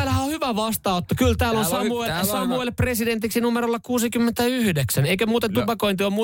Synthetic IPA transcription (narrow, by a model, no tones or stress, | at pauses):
æːlhæohyʋæʋɑst̪ɑut̪ːɑkylt̪æːlonsɑuesɑmuilpresident̪iksinumeɾolːɑkuːsikymːent̪æyhydeksæneijkømuːt̪ent̪upɑkoint̪iomuː